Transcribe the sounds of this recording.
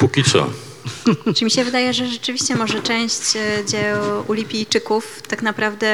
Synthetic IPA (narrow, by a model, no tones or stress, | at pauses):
pukʲit̪sɔ̰ | t͡ʂɘmʲiɕɛvɘd̪ajɛʐɛʐɛt͡ʂɘvʲiɕt͡ɕɛmɔʐɛt͡ʂɛ̃w̃ɕt͡ɕd͡ʑɛʔulʲipʲijt͡ʂɘkuft̪akn̪apɾavd̪ɛ